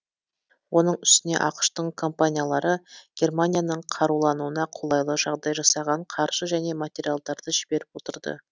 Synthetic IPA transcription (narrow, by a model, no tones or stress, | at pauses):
wʔo̞nəɴʏst̪ɪne̞ʔɑqə̥ʃt̪əɴkʰo̞mpanʲijalˠɑɾəɡ̥ʲe̞rmanʲijanəɴqʰɑɾulˠɑnuənɑqʰolˠɑjlˠəʒɑʁd̪ɑjʒɑsɑʁɑɴqʰɑɾʃəʒæne̞mat̪ʲe̞ɾijalˠd̪ɑɾd̪əʒɪbe̞ɾɪp̚wo̞t̪əɾd̪ə̰